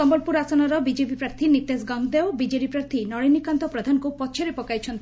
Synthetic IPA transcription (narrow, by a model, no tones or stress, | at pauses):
ɔmbɔlpuɾasɔnɔɾɔbid͡ʒepipɾaɾt̪ʰinit̪esɡɔŋɡd̪eobid͡ʒeɽipɾaɾt̪ʰinɔɽinikant̪ɔpɾɔd̪ʱankupɔt͡ʃʰeɾepɔkajt͡ʃʰɔnt̪